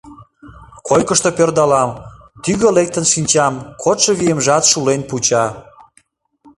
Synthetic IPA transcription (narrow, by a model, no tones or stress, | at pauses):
kojkəʃt̪opørd̪ɑlɑm | t̪yɣəlek̚t̪ənʃinʲt͡ɕɑmkʰot̪ʃɤβijemʒɑt̪ʃulenput͡ɕɑ